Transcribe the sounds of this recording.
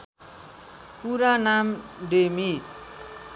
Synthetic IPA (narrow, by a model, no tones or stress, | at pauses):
puɾanamɖemi